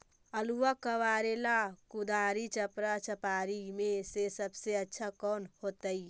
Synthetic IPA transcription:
əluʋakəʋaːɾelakud̪aːɾit͡ʃəpɾat͡ʃəpaːɾimẽsesəbseətːʃʰakɔːnhoːt̪əi

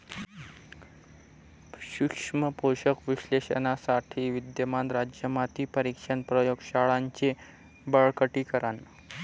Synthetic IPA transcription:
ɕukʂməpoɕəkʋiɕleɕə̰nasaʈʰiːʋid̪jəmand̪ɾad͡ʑjəmat̪iːpəɾikʂənpɾəjoɡɕaɭaɲt͡ɕe | bəɭkəʈiːkəɾan

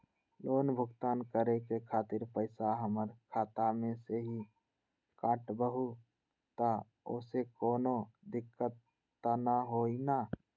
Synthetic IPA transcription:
loːnbʱʊɡt̪aːnkəɾekekʰaːt̪ɪɾpəɪsaɦəməɾkʰaːt̪amẽseɦi | kaːʈbəɦu | t̪a | o̰ːsekoːnod̪ɪkːət̪ː | anaɦoina

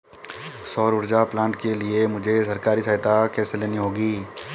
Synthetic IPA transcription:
sɔːɾʊɾd͡ʒaplãːɳʈkeliemʊd͡ʒʱesɐɾkaːɾisaːɦɪt̪akɛːseleːniɦoːɡiː

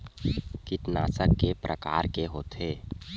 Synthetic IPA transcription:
kɪt̪na̰ːsəkːepɾʔə̰ka̰ːɾkeɦoːt̪ʰeː

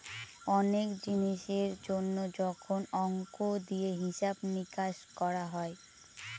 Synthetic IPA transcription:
ɔnekd͡ʑiniʃeɾd͡ʑonːod͡ʑɔkʰonɔŋkod̪ieɦiʃabnikaʃkɔɾaɦɔe

